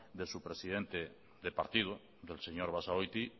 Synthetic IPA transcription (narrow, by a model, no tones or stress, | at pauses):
d̪esupɾesiðent̪e | ðepa̰ɾt̪ið̞u | ðelseɲoɾβasaojt̪i